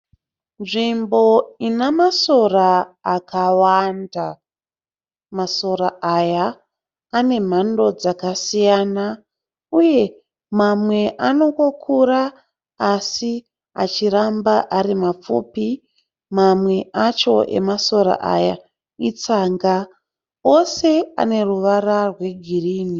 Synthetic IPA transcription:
nʐimbo̞inamaso̞raːkʰawanda | maso̞ɾaajaː | ne̞m̤ando̞d͡zakasijaːna | uje̞ | mamwe̞ʔano̞ko̞kʰuɾaː | si | a̰t͡ʃiɾambaʔaɾimap͡fṵpi | mamwe̞at͡ʃo̞ʔe̞̰maso̞ɾa̰ʔa̰ja | it͡saŋɡa | o̞se̞a̰ne̞ruʋararwe̞ɡʱiriːni

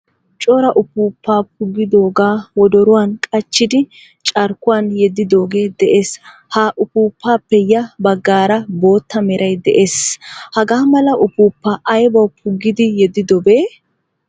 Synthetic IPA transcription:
t͡ʃʼɔɾɐʔʊpuːpːaːp̚ʊɡːɪd̪o̞ːɡaːwɔd̪ɔɾʊwaːnkʼɐt͡ʃːɪd̪ɪ | t͡ʃʼɐɾkʊwaːnjɛd̪ːɪd̪o̞ːɡe̞ːd̪ɛʔe̞ːs | haʔʊpuːpːaːpːɛjɐbɐɡːaːɾɐbo̞ːt̪ːɐmɛɾʔɐjd̪ɛʔeːshɐɡaːmɐlɐʔʊpuːpːaʔɐjbɐwpʰʊɡːɪd̪ɪjɛd̪ːɪd̪ɔbeː

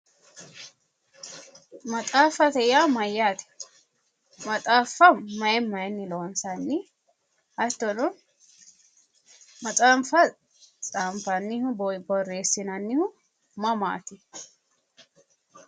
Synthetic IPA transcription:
mɐt͡sʼaːfɐt̪ɛjaːmɐjːaːt̪ɪ̥ | mɐtʼaːfːɐmɐjɛmɐjnːɪloːnsɐnːɪ | ɐt̪ːɔnʊn | mɐt͡sʼaːmfɐ | t͡sʼaːmfɐnːɪhʊbɔbɔrːe̞ːsːɪnɐnːɪhʊ | mɐma̰ːt̪ɪ

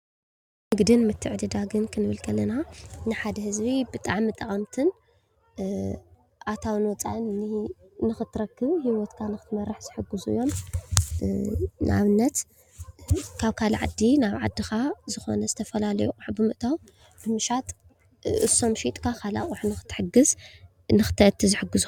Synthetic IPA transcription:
mɨɡd̪ɨnmɨt̪ʰːɨʕd̪ɨd̪aɡɨnkʰɨnɨβɨlkʰɐlːɐnanɨħad̪ɐhɨzbibɨt̪ʼaʕmɨt̪ʼɐχʼɐmt̪ʰɨn | ʔat̪ʰawɨnwɔt͡sʼa̰ʔnːɨ | nɨxɨt̪ʰːɨɾɐkːɨβhiwɔt̪kʰanɨxɨt̪mɐɾːɨħz̥ɨħɨɡːɨzuijːo̞m | nɨ̰a̰βɨnːɐt̪ | kʰaβkʰalʕad̪ːinaβʕa̰d̪ːixazɨxo̞̰nɐzɨt̪ʰɐfɐlalɐ̰juʔʼuħbɨmɨʔt̪ʰaw | bɨmɨʃat̪ʼ | ʔɨso̞mʃit̪ʼkʰakʰala̰χʼuħnɨxɨ̥t̪ʰːɨ̥ħɨɡɨz | nɨxɨ̥t̪ʰɨʕɨt̪ʰːizɨħɨɡɨzu

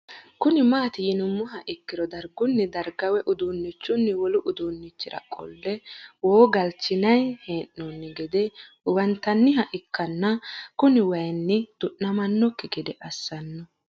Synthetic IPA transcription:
kʊnɪmaːt̪ɪjɪnʊmːʊɦɐʔɪkːɪɾɔd̪ɐɾɡʊnːɪd̪ɐɾɡɐwɛʔʊd̪uːnːɪt͡ʃːʊnːɪwɔlʊʔʊd̪uːnːɪt͡ʃːɪɾɐ̰kʼɔ̰lːɛwoːɡɐlt͡ʃːɪnɐjheːnːunːɪɡɛd̪ɛ | wɐnt̪ɐnːɪɦɐʔɪkːɐnːɐkʊnɪwɐjnːɪd̪̥ʊʔnɐmɐnːɔkːɪɡɛd̪ɛʔɐsːɐnːɔ

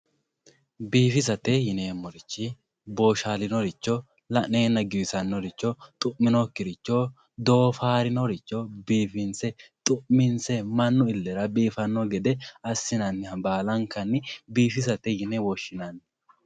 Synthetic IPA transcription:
biːfɪs̬ɐt̪ɛjɪneːmːɔɾɪt͡ʃːɪ | bo̞ːʃaːlɪnɔɾɪt͡ʃːɔ | lɐʔneːnɐɡɪwɪsɐnːɔɾɪt͡ʃːɔt̪ʼʊʔmɪnokːɪɾɪt͡ʃːo | d̪o̞ːfaːɾɪnɔɾɪt͡ʃːɔbiːfɪnsɛt̪ʼʊʔmɪnsɛmɐnːʊɪlːɛɾɐbiːfɐnːɔɡɛd̪ɛɐsːɪnɐnːɪhɐbaːlɐŋkɐnːɪbiːfɪs̬ɐt̪ɛjɪnɛwɔʃːɪnɐn

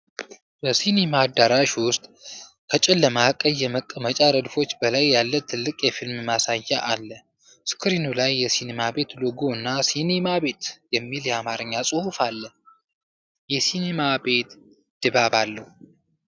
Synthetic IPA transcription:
bəsinemad̪ːaɾaʃwʊst̪ʼ | kʰət͡ʃʼɪlːəmakʼəjːɛməkʼːəmət͡ʃʼaɾəd̪fo̞t͡ʃːbəlajːalːət̪ʰːɨlːɨkʼjɛfilmmasajːaʔalːə | skʰɨɾinulajːɛsinemabe̞t̪lɨɡoɨnːasinemabe̞t̪jɛmːiljɛamaɾɨɲːasʼɨhufalːə | jɛsinemabe̞t̪ | d̪̥ɨbabalːəhu

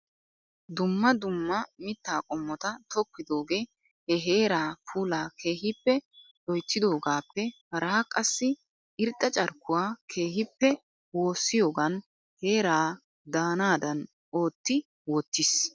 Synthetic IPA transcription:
d̪ʊmːɐd̪ʊmːɐmɪt̪ːaːkʼɔmːɔt̪ɐt̪ʰɔkːɪd̪o̞ːɡe̞ː | hɛɦe̞ːɾaːpʰuːlaːkʰe̞ːɦɪpːɛ | ʔɔjt̪ːɪd̪o̞ːɡaːpːɛhɐɾaːkʼɐsːɪ | ʔɪɾt̪ʼːɐt͡ʃʼɐɾkːʊwaːkʰe̞ːɦɪpːɛ | wo̞ːsːɪjo̞ːɡɐn | he̞ːɾaː | d̪aːnaːd̪ɐn | o̞ːt̪ːɪ | wɔt̪ːɪs

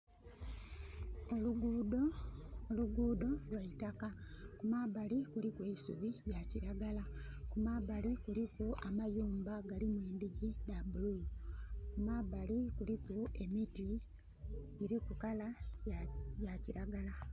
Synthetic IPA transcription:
oluɡd | luɡuːdo̞lwaitakakumaβalikulikwe̞isuβijaciɾaɡalakumaβalikulikuamajuːmbaɡalimweːndiɡidabuluukumaβalikulikue̞miti | ɟiɾikukala | jaciɾaɡala

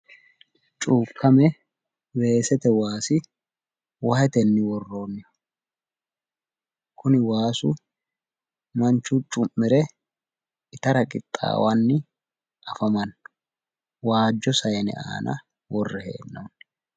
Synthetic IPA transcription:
t͡ʃʼuːkʰːɐmɛ | we̞ːsɛt̪ɛwaːsɪ | wɐhɛt̪ɛnːɪwɔrːo̞ːnːɪ | kʰʊnɪwaːsʊ̰ | mɐnt͡ʃːʊt͡ʃʼːʊmːɪɾɛ | ɪt̪ɐɾɐkʼɪt̪ʼːa̰ːwanːɪ | ʔɐfɐmɐn | waːd͡ʒːɔsɐjɛnɛ̰ʔa̰ːnɐ̰ | wɔrːɛhḛːnːon

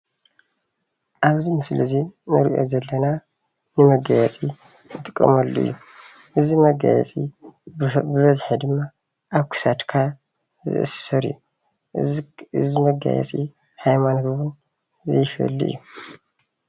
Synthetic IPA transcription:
ʔaβzimɨslɨzinɨɾiʔo̞̰zɐlːɐna | nɨmɐɡajɛt͡sʼi | nɨt̪ʼɨkʼːɐ̰mɐlːṵʔɨ̰jːu | ʔɨzimɐɡa̰jɛ̰t͡sʼḭ | bɨβɐzħid̪ɨmːa | ʔaβkʰɨ̥sat̪kʰa | zɨ̰ʔɨ̰sɐɾḭjːu | ɨzimɐɡa̰jɛ̰t͡sʼi | hajmanhɨβun | zɐ̰jfɐ̰lːiʔɨ̰jːu

